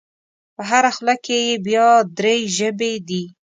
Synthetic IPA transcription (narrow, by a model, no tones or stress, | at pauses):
pəɦaɾaxlakejbjɑd̪ɾeʒəbed̪i